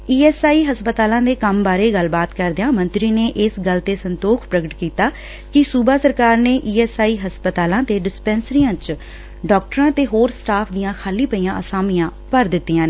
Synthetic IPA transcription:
iːɛːsaːiːɦəspət̪aːlãːd̪eːkəmbaːɾeːɡəlbaːt̪kəɾd̪ejãːmə̃nt̪ɾiːneːʔɪsɡəlt̪eːsənt̪oːkʰpɾəɡəʈkiːt̪aː | kɪsuːbaːsəɾkaːɾneːʔiːɛːsaːiːɦəspət̪aːlãːt̪eːɖɪspɛ̃ːnsɾijãːt͡ʃ | ɖɔːk̚ʈəɾãːt̪eːɦoːɾsʈaːpʰd̪ɪjãːkʰaːliːpəiːãːʔəsaːmijãː | pəɾd̪ɪt̪ːijãːneː

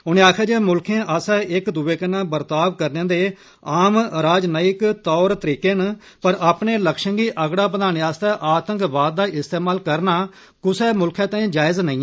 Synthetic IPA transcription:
ɦʊnẽːaːkʰjaːd͡ʒeːmʊlkʰẽːʔəːsɛːʔɪkd̪uːeːkənãːbəɾt̪aːʋkəɾnẽːd̪eː | aːmɾaːd͡ʒnəɪkt̪ɔːɾt̪əɾiːkeːn | pəɾʔaːpneːləkʃəŋɡiːʔəɡɽaːpəd̪aːñjaːst̪ɛːʔaːt̪əŋkbaːd̪d̪aːʔɪst̪eːmaːlkəɾnaː | kʊsɛːmʊlkʰãːt̪ɛ̃ĩːd͡ʒaːɪznəĩː

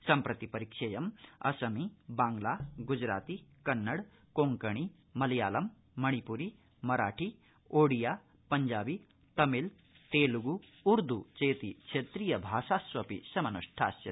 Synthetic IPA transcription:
sɐmpɾɐt̪ipɐɾikʂɐjɐmɐ̰sɐmibaːŋɡlaɡud͡ʒɾa̰ːt̪ikɐnːɐɽ | koːŋkɐɳ̃i | mɐljaːlɐmː | ɐɽ̃ipuɾi | mɐɾaːʈʰi | oːɽija | pɐɲd͡ʒaːbi | t̪ɐmil | t̪eːluɡuuɾd̪ut͡ʃeːt̪ikt͡ʃʰet̪ɾijɐbʱaːsaːsʋɐpḭsɐmɐnuʂʈʰa̰ːsjɐ

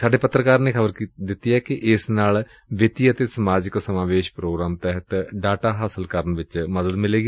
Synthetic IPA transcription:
saːɖeːpət̪ːɾəkaːɾneːkʰəbəɾd̪ɪt̪ːiɛːkɪʔɪsnaːl | ʋɪt̪iːət̪esəmaːd͡ʒɪksəmaːʋeːʃpɾoːɡɾaːmt̪ɛɦət̪ɖaːʈaːɦaːsəlkəɾənʋɪt͡ʃməd̪əd̪mɪleːɡi

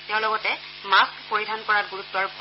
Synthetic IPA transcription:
tɛʊ̃lɔɡɔtɛ | maskpoɹidʱankɔɹatɡuɹutːɔɹp

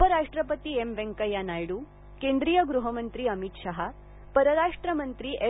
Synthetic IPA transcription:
upəɾaʂʈɾɐpət̪iemʋeŋkɐjanajɽuː | kend̪ɾiːjɐɡɾuɦɐmənt̪ɾiɐmit̪ʂaɦa | pɐɾɐɾaʂʈɾɐmɐnt̪ɾiːʔe

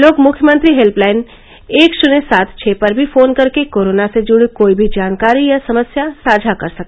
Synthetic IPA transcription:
loːkmʊkʰjəmə̃nt̪ɾiɦelplaːɪn | eːkʃʊnesaːt̪ʰt͡ʃʰeːpɐɾbʱifʰoːnkɐɾkekoːɾoːnased͡ʒʊɽekoːibʱid͡ʒaːnkaːɾijasɐməsjasaːd͡ʒʱakɐɾsɐk̪̚e

